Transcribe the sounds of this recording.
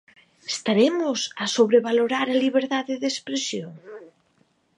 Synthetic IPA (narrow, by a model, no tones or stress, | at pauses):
est̪aɾemʊsasoβɾeβ̞aloɾaɾaliβeɾðaðeðespɾesjoŋ